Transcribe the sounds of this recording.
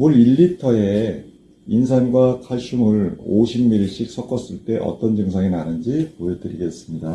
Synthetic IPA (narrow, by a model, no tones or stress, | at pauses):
muɾiɭːitʰʌe̞ | insʰanɡwakʰaɭɕ͈umɯɭoɕʰimːiɾiɕ͈ik̚s͈ʌk͈ʌs͈ɯɭt͈e̞ʔʌ̰t͈ʌnd͡ʑɯŋsʰaŋenanɯnd͡ʑipojʌdɯɾiɡe̞s͈ɯmɲida